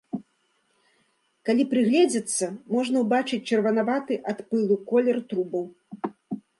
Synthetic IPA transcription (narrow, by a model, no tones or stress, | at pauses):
kalʲipɾɨɣlʲɛd͡zʲɐt̪sːɐmɔʐnɐwbat͡ʂɨt͡sʲt͡ʂɐrvɐnavat̪ɨʔat̪pɨlˠukɔlʲɛrt̪ɾubɐw